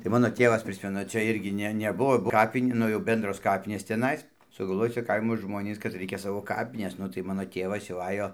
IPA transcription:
tɐɪ ˈmɑːnoː ˈtʲeːʋɐs ˈpʲrʲɪsʲmʲɛnʊ t͡ʃʲɛ ˈɪrʲɡʲɪ ˈnʲɛ ˈnʲæːbʊʋoː ˈkɑːpʲɪnʲ ˈnʊ jɛʊ ˈbʲɛndroːs ˈkɑːpʲɪnʲeːs t͡sʲɛˈnɐɪs sʊɡɐlˠˈʋoːj ˈt͡sʲɛ ˈkɐɪmoː ˈʒmoːnʲiːs kɐt ˈrɐɪkʲɛ ˈsɑːʋoː ˈkɑːpʲɪnʲɛs ˈnʊ tɐɪ ˈmɑːnoː ˈtʲeːʋɐs jɛʊ ˈɑːjoː

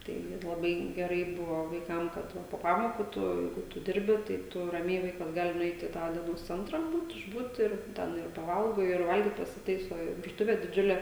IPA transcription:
ˈtɐɪ lˠɐˈbɐɪ ɡʲɛˈrɐɪ ˈbʊʋoː ʋɐɪˈkɐm kɐt ˈʋɐ poː ˈpɑːmoːkuː ˈtʊ ˈjɛɪɡʊ tʊ ˈdʲɪrʲbʲɪ tɐɪ ˈtʊ rɐˈmʲɛɪ ˈʋɐɪkɐs ˈɡɑːlʲɪ nʊˈɛɪt ɪ ˈtɑː dʲiɛˈnoːs ˈt͡sʲɛntrɐ ˈbuːt ɪʒˈbuːt ɪr ˈtʲɛn ɪr pɐˈʋɐlˠɡoː ɪr ˈʋɐlʲɡʲiːt pɐsʲɪˈtɐɪsoː ɪr ʋʲɪrˈtʊʋʲeː dʲɪˈd͡ʒʲʊlʲeː

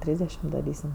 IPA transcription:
ˈtʲrʲiːzʲdʲɛʃʲɪm dɐˈrʲiːsʲɪm

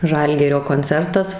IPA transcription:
ˈʒɐlʲɡʲɪrʲoː koːnʲˈt͡sʲɛrtɐs

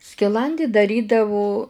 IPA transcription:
sʲkʲɪˈlˠɐnʲdʲiː dɐˈrʲiːdɐʋʊ

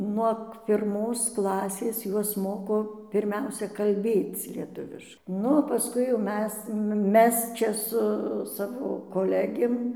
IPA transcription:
nuɔk pʲɪrˈmoːs ˈklˠɑːsʲeːs ˈjuɔs ˈmoːkoː pʲɪrʲˈmʲɛʊsʲɛ kɐlʲˈbʲeːt͡s lʲiɛˈtʊʋʲɪʃ ˈnʊ oː pɐˈskʊɪ jɛʊ ˈmʲɛs ˈmʲɛs ˈt͡ʃʲɛ sʊ ˈsɑːʋoː koːˈlʲæːɡʲeːm

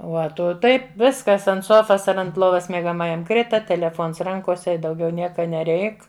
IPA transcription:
ˈuɔ ˈtʊ ˈtɐɪp ˈʋʲɪskɐs ɐnt ˈsoːfɐs ɐr ɐnt ˈlˠoːʋɐs mʲiɛɡɐˈmɑːjɛm ˈkrʲɪtɐ tʲɛlʲɛˈfoːns ˈrɐŋkoːsʲɛ ɪ dɐʊˈɡʲɛʊ ˈnʲiɛkɐ nʲɛˈrʲɛɪk

